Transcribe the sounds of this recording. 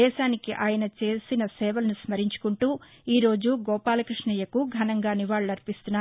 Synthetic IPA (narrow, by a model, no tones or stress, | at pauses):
ɛːʃaːnikiʔaːjɐnɐt͡ʃe̞ːsinɐsɛːʋɐlɐnusmɐɾiɲt͡ʃu̥kuɳʈuː | iːɾo̞ːd͡ʒuɡɔːpaːlɐkɾiʂɳiːjɐkuɡʱɐnɐŋɡaːniʋaːɭːɐɐɾpist̪unːaː